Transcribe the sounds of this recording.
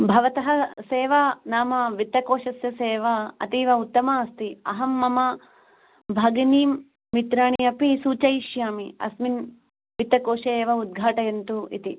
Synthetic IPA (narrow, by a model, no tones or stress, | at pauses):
bʱɐʋɐt̪ɐɦɐseːʋɐnaːmɐʋit̪ːɐkoːʂɐsjɐseːʋɐɐt̪iːʋɐut̪ːɐmaːɐst̪iɐ̰ɦɐmːɐmɐ | bʱɐɡɐniːmː | it̪ɾaːɳiɐpisuːt͡ʃɐjʃjaːmiɐ̰smin | ʋit̪ɐkoːʂɐjeːʋɐud̪̚ɡʱaːʈɐjɐnt̪uḭt̪i